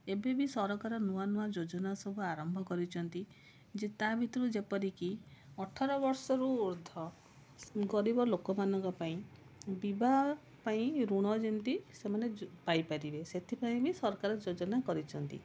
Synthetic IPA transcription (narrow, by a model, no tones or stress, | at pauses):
ebebisɔɾɔkaɾɔnuanuad͡ʒod͡ʒɔnasɔbʱuaɾɔmbʱɔkɔɾit͡ʃʰɔnt̪i | d͡ʒet̪abʱit̪ɔɾud͡ʒepɔɾikiɔʈʰaɾɔbɔɾsɔɾuːɾd̪ʱɔ | ɡɔɾibɔlokɔmanɔŋkɔpaĩ | bibʱa | paĩɾuɽ̃ɔd͡ʒint̪isemanepajpaɾibeset̪ʰipaĩbisɔɾɔkaɾɔd͡ʒod͡ʒɔnakɔɾit͡ʃʰɔnt̪ḭ